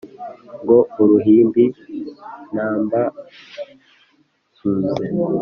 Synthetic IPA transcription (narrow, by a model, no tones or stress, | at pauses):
ŋɡouɾuɦiːmbi | naːmba | suːze